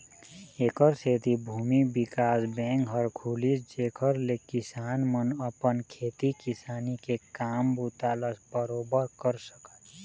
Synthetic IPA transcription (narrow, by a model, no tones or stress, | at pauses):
eːkəɾseːt̪ibʱuːmibɪkaːsbɛ̃ːŋkɦəɾkʰuːlisd͡ʒeːkʰəɾlekɪsaːnmənəpənkʰeːt̪ikɪsaːnikekaːmbuːt̪aːləsbəɾoːbəɾkəɾsə̥kət̪